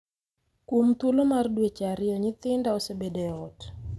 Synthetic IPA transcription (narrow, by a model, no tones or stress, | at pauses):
kwomt̪ulomardwet͡ʃaɾɪɔɲɪt̪ɪndaɔsebedeɔt